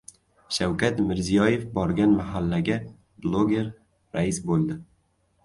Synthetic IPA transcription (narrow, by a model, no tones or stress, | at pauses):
ʃawkʰʲat̪mɪɾzijɒje̞fbɒɾɡʲanmaɦalːaɡʲa | blˠoɡʲe̞ɾ | ɾaɪsbolˠd̪ɪ